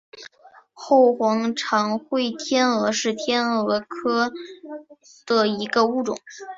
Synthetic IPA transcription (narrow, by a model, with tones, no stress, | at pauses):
xo˥˩ʊxwɑ˧˥ŋʈ͡ʂʰɑ˧˥ŋxwe˥˩ɪt̪ʰjɛ˥nɤ˧˥ʂɻ̩˥˩t̪ʰjɛ˥nɤ˧˥kʰɤ˥ | d̪̥ə˨˩i˧˥ɡə˧u˥˩ʈ͡ʂʊ̰˨˩˦ŋ